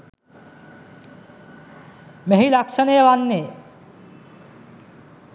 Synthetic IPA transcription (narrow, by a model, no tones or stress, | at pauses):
meɦilakʂʃənejəʋanːe